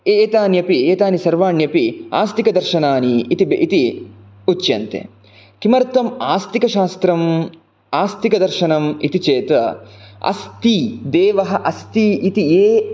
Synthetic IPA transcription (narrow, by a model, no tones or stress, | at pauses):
eːt̪aːnjɐpieːt̪aːnisɐɾʋaːɳjɐpia̰ːst̪ikɐd̪ɐɾʃɐnaːniːt̪ibʔit̪i | ut͡ʃːjɐ̰nt̪ḛ | kimɐɾt̪ɐmaːst̪ikɐʃaːst̪ɾɐm | aːst̪ikɐd̪ɐɾʃɐnɐmḭt̪it͡ʃeːt̪ɐɐ̰st̪id̪eːʋɐɦɐʔɐst̪iit̪ieː